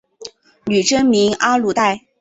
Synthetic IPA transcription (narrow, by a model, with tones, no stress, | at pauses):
ny˨˩ʈ͡ʂə˥nmi˧˥ŋa˥lu˥˧t̪a˥˩ɪ